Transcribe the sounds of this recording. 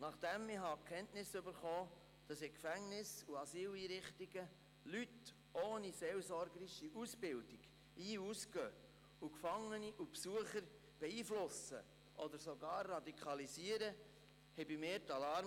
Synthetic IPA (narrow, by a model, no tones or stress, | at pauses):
nɑχd̥ɛmɪɦɑːkʰɛntnɪsʏbəɾχoː | d̥ɑsɪkfæŋnɪsuɑsiːliːɾɪχtiɡ̥ə | lyt | ʔoːniseːlsɔɾɡəɾiʃiʔusbɪld̥iɡ̥ | iːusɡœ | ukfɑŋːəniʔupsuəχəɾ | b̥ɛiːflʊsə̰ | ʔɔd̪əɾsoɡɑːɾːɑdikʰɑliziəɾə | hɛbimɪːɾtɑlɑɾ